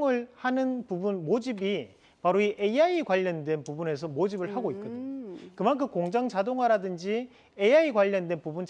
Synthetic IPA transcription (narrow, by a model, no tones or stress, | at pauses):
ɯɭhanɯnpubunmod͡ʑibi | paɾoiʔeaikwaʎːʌndwe̞npubune̞s̬ʰʌmod͡ʑibɯɭɦaɡoit̚k͈ɯdekɯmankʰɯkoŋd͡ʑaŋd͡ʑadoŋwaɾadɯnd͡ʑi | eaikwaʎːʌndwe̞npubunt͡ɕ